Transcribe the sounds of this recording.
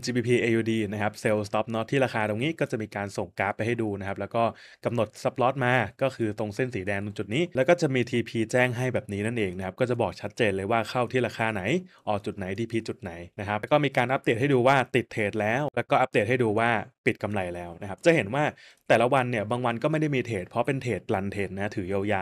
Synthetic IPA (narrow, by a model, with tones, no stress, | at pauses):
t͡ɕiː˧biː˧pʰiː˧ʔeː˧juː˧diː˧na˦˥kʰa˦˥p̚se˧wst̪ɔ˦˥p̚nɔ˦˥t̪ʰiː˥˩ɾaː˧xaː˧d̪o˧ŋniː˦˥kɔː˥˩t͡ɕa˨˩ʔmiː˧kaː˧nso˨˩ŋkaː˦˥pːa˧jha˥˩jduː˧na˦˥kʰa˦˥plɛː˦˥wkɔː˥˩ | ka˧mno˨˩t̪̚sa˦˥p̚lɔː˦˥t̪̚maː˧kɔː˥˩kʰɯː˧t̪o˧ŋse˥˩nsiː˩˦dɛː˧ŋdu˧ŋt͡ɕu˨˩t̪̚niː˦˥lɛ˦˥wkɔː˥˩t͡ɕa˨˩miː˧t̪ʰiː˧pʰiː˧t͡ɕɛː˥˩ŋɦa˥˩jbɛː˨˩p̚niː˦˥na˥˩nʔeː˧ŋna˦˥kʰa˦˥p̚kɔː˥˩t͡ɕa˨˩bɔː˨˩k̚t͡ɕʰa˦˥t̪̚t͡ɕeː˧nlɤː˧jwaː˥˩kʰa˥˩wt̪ʰiː˥˩ɾaː˧xʰaː˧˩na˩˦jʔɔː˨˩t͡ɕu˨˩t̪̚na˩˦jt̪ʰiː˧pʰiː˧t͡ɕu˨˩t̪̚na˩˦jna˦˥kʰa˦˥kɔː˥˩miː˧kaː˧nʔa˦˥de˨˩t̚ha˥˩duː˧waː˥˩t̪i˨˩t̪ʰːeː˨˩t̪̚lɛː˦˥wlɛː˦˥wkɔː˥˩ʔa˦˥p̚deː˨˩t̚ha˥˩jduː˧waː˥˩pi˨˩t̪̚ka˧mla˧jlɛː˦˥wna˦˥kʰa˦˥p̚t͡ɕa˨˩ɦe˩˦nwaː˥˩t̪ɛː˨˩la˦˥wa˧nːi˥˩ɐbaː˧ŋwa˧nkɔː˥˩ma˥˩jda˥˩jmiː˧t̪ʰeː˨˩t̪̚pʰɾɔ˦˥pe˧nt̪ʰeː˨˩t̪̚la˧nt̪ʰeː˨˩t̪̚na˦˥t̪ʰɯː˩˦ja˧wjaː˧˩